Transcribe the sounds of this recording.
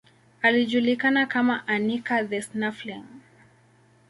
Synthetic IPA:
aliʄulikanakamaʔanikaðɛsnaflɛŋ

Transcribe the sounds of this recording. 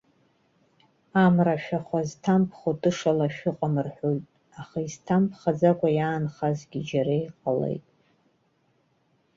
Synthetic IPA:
amraʃᶣaχʷaztʰampʰχotʼɨʂalaʃᶣʊqʼamɨrħʷojtʼ | aχaiztʰampʰχad͡zakʷʼajaːnχazɡʲid͡ʒaɾaiqʼalḛjtʼ

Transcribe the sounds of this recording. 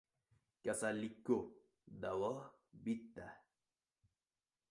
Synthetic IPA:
kasaliko | d̪awɔ | bit̪ːa

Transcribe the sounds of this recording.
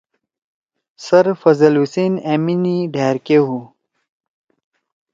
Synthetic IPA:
sɐɾfɐzɐluseːneːminiɖʱaːɾkeɦu

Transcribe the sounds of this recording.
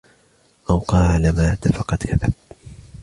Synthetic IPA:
ʔawqɑːlamaːd̪afɑqɑt̪kʰaða̰b̚

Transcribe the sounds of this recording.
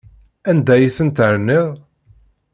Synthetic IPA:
ænd̪æjiθənt̪əɾnːiʁ

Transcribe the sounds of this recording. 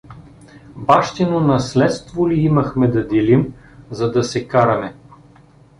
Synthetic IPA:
baʃt̪inonɐslɛt̪st̪voliimɐxmɛd̪ɐd̪ɛlim | zɐd̪ɐsɛkaɾɐmɛ

